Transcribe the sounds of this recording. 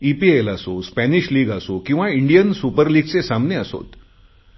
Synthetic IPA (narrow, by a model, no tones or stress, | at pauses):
ipielasospɛniɕliːɡasokĩw̃ʋaiɳɖijənsupəɾliːɡt͡sesamneəso̰t̪